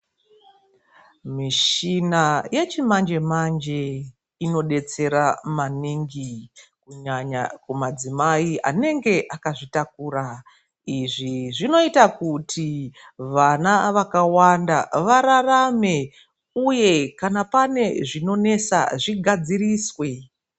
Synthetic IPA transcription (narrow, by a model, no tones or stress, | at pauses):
miʃinaje̞t͡ʃimand͡ʒe̞mand͡ʒe̞ | ino̞ɗe̞t͡se̞ɾamaniŋɡikuɲaɲa̰kumad͡zimaiʔane̞ŋɡe̞ʔakaʐitakuːɾa | iʐiʐino̞itakutʰi | ʋanaʋakawandaʋaɾarame̞ | uje̞kanapane̞ʐino̞ne̞sa̰ʐiɡʱad͡ziriːswe̞